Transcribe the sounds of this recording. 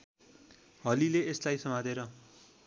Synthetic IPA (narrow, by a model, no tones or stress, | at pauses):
ɦʌlileeslajsʌmad̪ʱeɾʌ